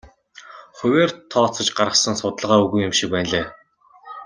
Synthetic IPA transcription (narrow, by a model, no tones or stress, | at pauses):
χʊwʲeːrt̪ʰɔːt͡sɞ̆t͡ɕɢaɾʁə̆χsə̆nsʊt̪əɮʁaːɵɣujʊmʃik̚pæːnɮeː